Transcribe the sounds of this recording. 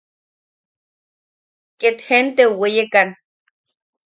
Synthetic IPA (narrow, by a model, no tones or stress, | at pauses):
ket̪hent̪euwejekan